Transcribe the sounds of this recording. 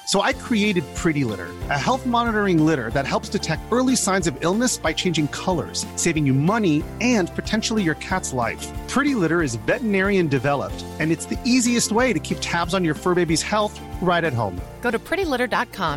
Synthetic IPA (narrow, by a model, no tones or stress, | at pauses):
soʊaɪkʰɹ̥ieɪɾɨd̚pʰɹ̥ɪɾilɪ̰ɾə̰˞ɨɦɛlˠθmɑnəɾə˞ɪ̃ŋlɪɾə̰˞ðɨt̚hɛlˠpstʰɨtʰɛk̚tɜ˞lˠisãɪ̃nzʌvɪlˠnɨsb̥aɪt͡ʃʰẽɪ̃nd͡ʒɪ̃ŋkʰʌlˠə̰˞z̥seɪvɪ̃ŋjɨmʌniɨ̃npʰɨtʰɛ̃nʃl̩ˠijə˞kʰætslaɪfpʰɹ̥ɪɾilɪɾə˞ɨzvɛʔənɛɹiɨ̃ndɨvɛlˠə̰p̚tɨ̃nɨtsðiʔiziɨst̚weɪɾɨkʰip̚tʰæbzn̩jə˞fɜ˞beɪbiz̥hɛlˠθ | ɹaɪɾɨt̚ɦõ̰ʊ̃mɡ̥oʊɾɨpʰɹ̥ɪɾilɪɾə˞dɑt̚kʰɑ̃m